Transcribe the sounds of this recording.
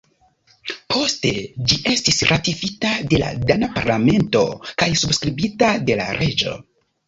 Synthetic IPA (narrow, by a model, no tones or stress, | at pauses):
pʰo̞ste̞d͡ʒiʔe̞stisɾʔatifitade̞la̰danapaɾlame̞nto̞̰kajsubskɾibitade̞la̰ɾʔe̞d͡ʒo̞̰